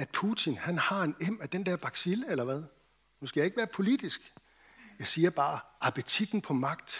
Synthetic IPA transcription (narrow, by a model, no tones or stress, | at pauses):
æd̥̚pʰut͡sʰinhænhɑ̈e̝nem̰æd̥end̥ɛɐ̰b̥ɑ̈ɡ̥siləelɐʋæðˠ | husɡ̥æje̝ɡ̥əʋæːɐpʰo̝lid̥isɡ̥ | jɑ̈ɪsiːɐb̥ɑ̈ːɑpʰət͡sʰid̥n̩pʰɒ̽mɑ̈ɡ̥̚d̥